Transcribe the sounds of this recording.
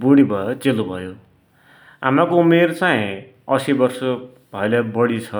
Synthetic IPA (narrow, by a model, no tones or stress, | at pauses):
buɽ̃ibʱʌt͡selubʱʌjo | a̰makoumert͡saĩ | ʌsibʌrsʌ | b̥ʱʌelabʌɽit͡sʰʌ